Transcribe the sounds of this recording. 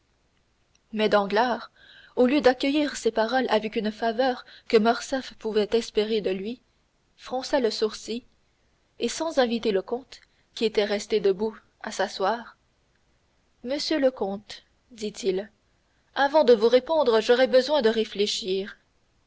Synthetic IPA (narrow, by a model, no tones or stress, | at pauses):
mɛd̪ɑ̃ɡlaːʁ | oljød̪akʲəjiːʁsepaʁɔlʔavɛkynfavœːʁkəmɔʁsɛfpuvɛt̪ɛspeʁed̪əlɥi | fχɔ̃saləsuʁsi | esɑ̃zɛ̃vit̪eləkɔ̃t̪ | kʲiet̪ɛʁɛst̪ed̪əbu | asaswaːʁ | məsjøləkɔ̃t̪ | d̪it̪ʰil | avɑ̃d̪əvuʁepɔ̃d̪ʁəʒɔʁɛbəzwɛ̃d̪əʁefleʃiːʁ